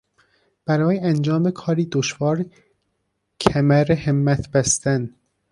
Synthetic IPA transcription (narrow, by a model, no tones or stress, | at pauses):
b̥æɾɒːjeænd͡ʒɒːmekʰɒːɾiːd̪oʃvɒːɾ | cʰæmæɾehemːæt̪ʰb̥æst̪æn